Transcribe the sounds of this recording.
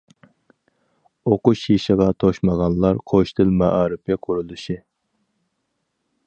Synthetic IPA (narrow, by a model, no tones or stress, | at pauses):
oqʊʃjiʃɪʁɑt̪ʰoʃmɑʁɑnlˠɑɾqʰoʃt̪ʰɪlmɑʔɑːɾɪpɛqʰuɾulˠuʃi